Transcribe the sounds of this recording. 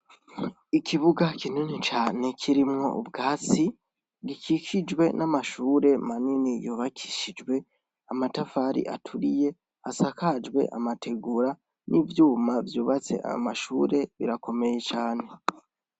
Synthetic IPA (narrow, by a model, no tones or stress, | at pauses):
ikʰiβuɡakʰinunit͡ʃaːne̞kʰiɾimŋo̞̰ʔṵbɡaːt͡si | ɡikʰikʰid͡ʒwe̞namaʃuːɾe̞maninijoːβakʰi̥ʃid͡ʒwe̞ | amatafaɾḭʔa̰tʰuɾije̞ | asakʰad͡ʒɡwe̞̰ʔa̰matʰe̞ɡuɾa | nʔivjuːmavjuːβat͡se̞̰ʔa̰maʃuːɾe̞βḭɾakʰo̞me̞je̞t͡ʃaːne̞